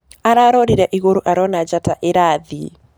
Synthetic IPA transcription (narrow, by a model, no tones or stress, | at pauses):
aɾaɾɔɾiɾaʔiɣoɾuʔaɾɔnad͡ʒataʔɪɾaði